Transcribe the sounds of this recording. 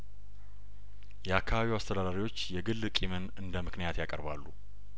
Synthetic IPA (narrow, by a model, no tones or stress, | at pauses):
jɛakʰːaβaβiwast̪ʰəd̪ad̪aɾiwo̞t͡ʃːjɛɡɨlːɨkʼimɨnɨnd̪əmɨknijat̪jakʼə̰ɾbalːu